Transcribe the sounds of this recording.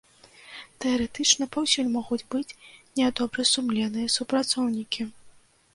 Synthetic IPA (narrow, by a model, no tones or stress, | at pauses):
t̪ɛɐɾɛt̪ɨt͡ʂnɐpawsʲulʲmɔɣud͡zʲbɨt͡sʲnʲɛd̪ɔbɾɐsumlʲɛnɨjɐsupɾat̪sɔwnʲikʲi